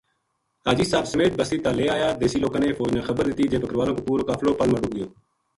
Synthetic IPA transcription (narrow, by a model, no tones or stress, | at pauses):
aːd͡ʒiːsaːbsəmeːt̪̚bəsiːt̪aːleːaːjaːd̪eːsiːloːkaːneːfoːd͡ʒnãːxəbəɾd̪ɪt̪iːd͡ʒeːpəkəɾəʋaːlõːkoːpuːɾoːkaːfloːpəlməɖuːɡɪjoː